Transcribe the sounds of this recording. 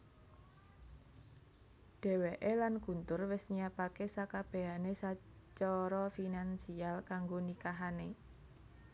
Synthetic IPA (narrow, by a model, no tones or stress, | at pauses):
ɖ̥ɛ̤weʔelanɡ̥ṳnt̪ʊrwɪsɲiapakesakab̥e̤anesat͡ʃɔɾɔfinansialkaŋɡonikaɦane